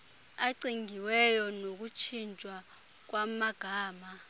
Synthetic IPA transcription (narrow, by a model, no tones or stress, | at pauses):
aǀiŋɡʱiwɛjɔnok̬ut͡ʃʰint͡ʃʼwa | k̬wamaɡ̥ʱaːma